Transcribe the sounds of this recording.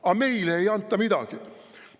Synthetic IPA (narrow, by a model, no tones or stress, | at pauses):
ɑme̞ileejɑnt̪ːˑɑmid̪ɑ̰ɡ̥i